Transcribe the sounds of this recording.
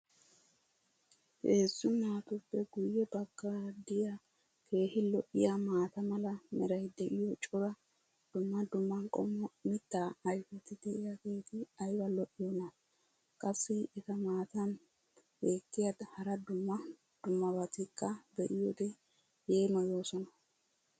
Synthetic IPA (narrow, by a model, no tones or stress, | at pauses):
ʔeːsːʊnaːt̪ʊpːɛɡʊjːɛbɐɡ̥ːɐd̪ɪja | kʰe̞ːhɪlɔʔɪjamaːt̪ɐmɐlɐmɛɾɐjd̪ɛʔɪjɔt͡ʃʼɔd̪ɐ | d̪̥ʊmːɐd̪ʊmːɐnkʼɔ̰mːɔmɪt̪ːaːjfɛt̪ɪd̪ɛʔɪjaɡeːt̪ɪɐjbɐlɔʔːɪjɔnɐ | kʼɐsːɪɛt̪ɐmaːt̪ɐn | beːkːɪjad̪hɐɾɐd̪ʊmːɐ | d̪̥ʊmːɐbɐt̪ɪkːɐb̪ɛʔɪjɔd̪ɛ | jeːmɐjo̞ːsɔnɐ